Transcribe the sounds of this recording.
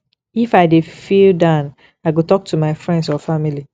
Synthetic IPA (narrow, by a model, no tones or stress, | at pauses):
ifaɪdefildãn | aɪɡotɔk̚tʰumaɪfɹɛ̃ndsɔfamili